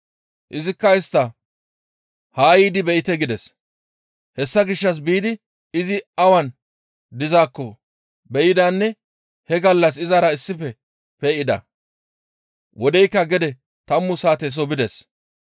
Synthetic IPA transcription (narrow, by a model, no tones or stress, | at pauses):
ʔɪzɪkːɐɪst̪ːɐ | haːjiːd̪ɪbɛʔɪt̪ɛɡɪd̪ɛs | hɛsːɐɡɪʃːɐs̬biːd̪ɪ | ɪzɪɐwɐn | d̪ɪzaːkːɔ | bɛjɪd̪aːnːɛ | hɛɡɐlːɐs̬ɪzɐɾɐɪsːɪfɛ | peːʔɪd̪ɐ̰ | wʔɔd̪ɛjkːɐɡɛd̪ɛ | t̪ɐmːʊsaːt̪ɛs̬ɔbɪd̪ɛs